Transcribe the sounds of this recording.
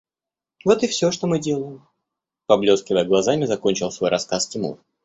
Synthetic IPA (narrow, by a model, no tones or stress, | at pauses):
vo̞t̪ɨfsʲɵʂt̪omɨdʲe̞lˠəjɪm | pɐblʲo̞skʲɪvəjəɡlˠɐzamʲɪzɐko̞nʲt͡ɕɪlˠsvo̞jɾʔɐskastʲɪmṵr